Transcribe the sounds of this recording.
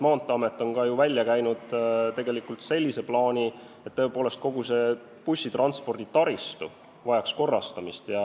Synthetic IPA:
mɑːnt̪ːˑeɑmet̪ːˑo̞nkɑjuvælʲːjɑkæjnud̪̥t̪e̞ɡe̞likult̪se̞lʲːise̞plɑːnʲi | et̪ːɤ̞epoːle̞st̪̚ko̞ɡ̥use̞ | pusʲːit̪rʔɑnt̪spo̞rd̪̥it̪ɑɾist̪u | vɑjɑksko̞rːɑst̪ɑmist̪jɑ

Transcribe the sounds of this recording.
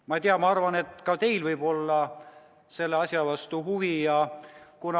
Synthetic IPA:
mɑt̪iɑmɑɑrvɑne̞t̪ːˑkɑt̪e̞jlvɯjbo̞lːɑ | se̞lːeɑsjɑvɑst̪uɦuvijɑkunɑ

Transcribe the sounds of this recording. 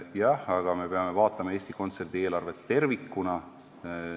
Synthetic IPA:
jɑhɑɡ̥ɑme̞pe̞ɑme̞vɑːt̪ːˑɑmɑeːsʲt̪iko̞nt̪se̞rd̪̥ieːlɑrve̞t̪ːe̞rvikːˑunɑ

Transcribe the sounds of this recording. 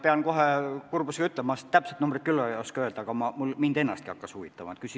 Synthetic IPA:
peɑnko̞ɦekurbuse̥kɑyt̪ːˑlemɑst̪æpset̪numbrit̪̚kylːooskɑøld̪̥ɑɡ̥ɑmɑmulmind̪e̞nːɑst̪̚kiɑkːɑsuvit̪ːˑɑmɑ̰et̪kysi

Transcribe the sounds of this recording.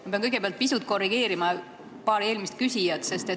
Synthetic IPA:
mɑpeɑnkɤɡepeɑlt̪̚pisut̪̚ko̞rːiɡe̞ːɾimɑ | pɑːɾe̞ːlmist̪̚kysʲijɑt̪se̞st̪e̞

